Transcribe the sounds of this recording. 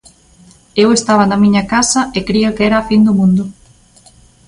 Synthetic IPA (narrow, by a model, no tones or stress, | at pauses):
ewest̪aβ̞ɐnɐmiɲɐkasɐekɾiakeɛɾɐːfind̪ʊmũnd̪ʊ